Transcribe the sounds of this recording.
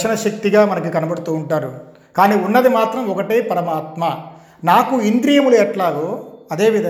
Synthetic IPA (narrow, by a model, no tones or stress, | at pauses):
ʂɐnɐʃɐk̚t̪iɡaːmɐnɐk̬ikɐnɐbɐɽut̪uːɳʈaːɾu | kaːniːunːɐd̪imaːt̪ɾɐmɔkɐʈeːpɐɾɐmaːt̪mɐ | naːkuind̪ɾijɐmuluɛʈlaːɡoːɐd̪e̞ːʋid̪ʱɐ